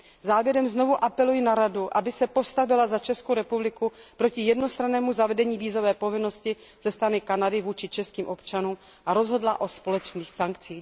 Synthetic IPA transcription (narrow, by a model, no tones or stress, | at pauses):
zaːvjɛɾɛmzno̞vuʔapɛlujɪnaɾaduʔabɪsɛpo̞st̪avɪlazat͡ʃɛskowɾɛpublɪkupɾo̞cɪjɛdno̞st̪ɾanɛːmuzavɛdɛɲiːviːzo̞vɛːpo̞vɪno̞scɪ | z̥ɛst̪ɾanɪkanadɪvuːt͡ʃɪt͡ʃɛskiːmʔo̞pt͡ʃanuːm | ʔaɾo̞zɦo̞dlaʔo̞spo̞lɛt͡ʃniːxsaŋkt͡siː